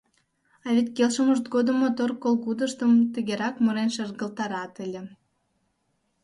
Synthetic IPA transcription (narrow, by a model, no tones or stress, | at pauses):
ɑβʲet̪ʲkelʃəməʃt̪̚ɡod̪ə̆mot̪orkolˠɣud̪əʃt̪əmt̪ə̆ɣeɾɑkmoɾenʃerɣə̆lt̪ɑɾɑt̪ə̆lʲĕ